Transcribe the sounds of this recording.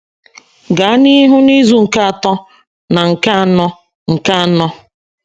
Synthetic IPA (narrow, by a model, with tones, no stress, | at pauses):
ɡa˨a˦ni˦ɦʊ˦ni˦zu˦ŋ̩˨ka˦a˨tɔ˦ | na˨ŋ̩˨ka˦a˨˦nɔ˦ | ŋ̩˨ka˦a˨˦nɔ˦